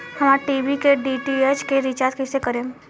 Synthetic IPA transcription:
hɐmaːɾʈiːʋikeɖiʈiet͡ʃkeɾit͡ʃaːɾt̪kɛsekəɾẽː

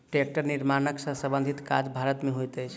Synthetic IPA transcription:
ʈɾek̚ʈəɾniɾmanəksə̃səbənd̪ʱit̪ka̰d͡ʒbʱaɾət̪meɦojt̪əjt͡ʃʰ

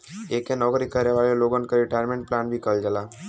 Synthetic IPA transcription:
eːkenɔːkɾikəɾneʋaːleloːɡãnkaɾɪʈaːɪɾmẽɳʈ̚plaːnbʱikɐld͡ʒəlaː

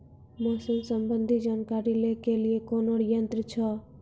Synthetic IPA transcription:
mosəmsəmbənd̪ʱid͡ʒankaɾilekeliekonoɽjənt̪ɾit͡ʃʰʌ

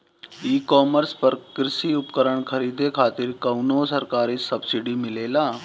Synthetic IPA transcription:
iːkɔːməɾspəɾkɾɪsiʊpkəɾəɳ̃kʰəɾiːd̪ekʰaːt̪ɪɾkɐʊnosəɾkaːɾisɐbsiɖimɪleːlaː

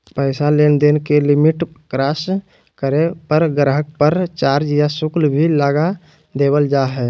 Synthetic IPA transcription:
pəɪsaleːnd̪enkelɪmɪʈkɾaːs | kəɾepəɾɡɾɦək̚pəɾt͡ʃaːɾd͡ʒjasʊklbʱilaːɡa | d̪eːbəld͡ʒaːɦɛː

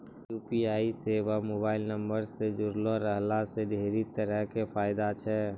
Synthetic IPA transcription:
juːpiaːiseʋamoːbaːɪlnəmbəɾsed͡ʒʊɾloɾəɦlaseɖʱeːɾit̪əɾəɦkepʰaːɪd̪at͡ʃʰɛ

